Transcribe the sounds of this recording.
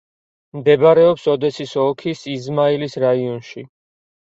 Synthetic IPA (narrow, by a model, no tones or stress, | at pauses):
md̪ɛbaɾɛɔpsɔd̪ɛsisɔkʰisizmailisɾaiɔnʃi